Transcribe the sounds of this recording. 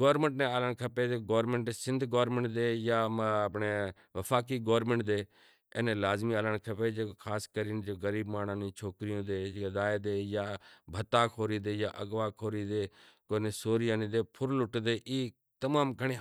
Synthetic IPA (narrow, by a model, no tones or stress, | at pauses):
ɡoːɾmə̃ɳʈneːaːləɳkʰəpeːd͡ʒeːɡoːɾmẽɳʈesɪ̃nd̪ʱɡoːɾmeɳʈd̪eːjaːpɳeː | ʋəfʰaːkiːɡoːɾmẽɳʈ̚d̪eː | ḛːnẽːlaːzmiːaːlənkʰəpeːd͡ʒeːkʰaːskəɾiːnd͡ʒoːɡəɾiːbmaːnaːnĩːt͡ʃʰoːkɾɪjõːd̪eːd̪aːeːd̪eːjaːbʱət̪ːaːkʰoːɾiːd̪eːjaːʔəɡʋaːkʰoːɾiːd̪eːkoːneːsoːɾijaːnĩːd̪eːpʰʊɾlʊʈd̪eːʔiː | t̪əmaːmɡʱəɽ̃eː